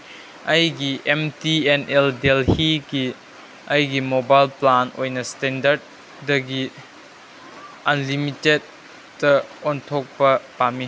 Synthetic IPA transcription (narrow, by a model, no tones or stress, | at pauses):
ɐjɡiʔemtieneldelhiɡi | ɐjɡimobajlplanojnɐstendɐɾd̚ː | ɐɡi | ɐnlimited̚ː | ɐɔntʰok̚pɐpami